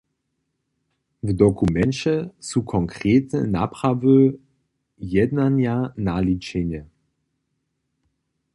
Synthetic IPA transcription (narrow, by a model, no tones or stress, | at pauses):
vdɔkumɛnt͡ɕɛsukʰɔŋkʁ̥eːtnə̰napʁ̥avə | jɛdnanjanalit͡ɕɛɲə